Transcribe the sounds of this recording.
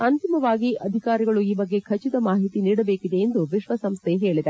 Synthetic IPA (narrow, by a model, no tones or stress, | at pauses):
ɐnt̪imɐʋaːɡiʔɐd̪ʱikaːɾiɡɐɭuiːbɐɡːe̞kʰɐt͡ʃid̪ɐmaːɦit̪iniːɽɐbe̞ːkid̪e̞ːnd̪uʋiʃʋɐsɐmst̪ʰeɦe̞ːɭid̪e